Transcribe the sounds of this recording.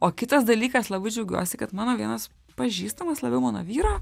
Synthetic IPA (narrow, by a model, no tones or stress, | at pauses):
oːkʲɪt̪ɐsd̪ɐlʲiːkɐslˠɐbɐɪd͡ʒʲɛʊɡʲṵɔsʲɪkɐt̪mɑːnoːʋʲiɛnɐs | pɐʒʲiːst̪ɐmɐslˠɐbʲɛʊmɑːno̰ʋʲiːɾoː